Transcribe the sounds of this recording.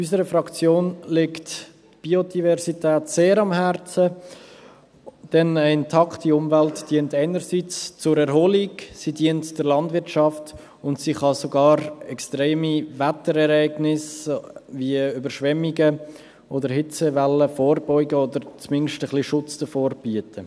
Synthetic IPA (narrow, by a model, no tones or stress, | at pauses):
ysəɾəfrɑkt͡sjoːnlɪkt | b̥iodivɛɾsitɛːtseːɾɑmhɛɾt͡sə | d̥ɛnəɪntʰɑkχtiʊmvæltd̥iəntaɪnəɾsit͡st͡sʊɾɛɾɦoliɡsidiəntd̥əɾlɑndvɪɾtʃɑft | ʊntsiχɑsoɡɑːɾɛkstɾeːmivætəɾɛɾɛɪɡnɪsviəybəɾʃʋɛmːiɡə | ʔodəɾhɪt͡səvɛləfoːɾbɔʏɡəodəɾt͡smɪnʃtəχliʃʊt͡sd̥əfoːɾb̥yətʰə